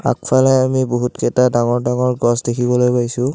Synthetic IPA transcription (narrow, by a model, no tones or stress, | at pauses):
a̰kpʰalɛamiboɦutkɛtadaŋɔɹdaŋɔɹɡɔsdekʰibɔlojpajsʊ̃